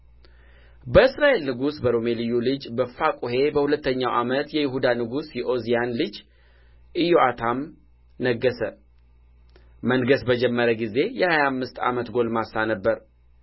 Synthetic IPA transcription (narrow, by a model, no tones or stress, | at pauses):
bəɨsɾaʔe̞lnɨɡusbəɾo̞me̞lijulɨd͡ʒbəfakʼuhe̞bəhulət̪ːəɲːawʔa̰mət̪jɛjɪɦud̪anɨɡusjɛʔo̞zijanlɨd͡ʒ | ʔɨjo̞ʔat̪ʰam | nəɡːəsə | mənɡəsbəd͡ʒɛmːəɾəɡize̞jɛhajamːɨst̪a̰mət̪ɡo̞lmasːanəbːəɾ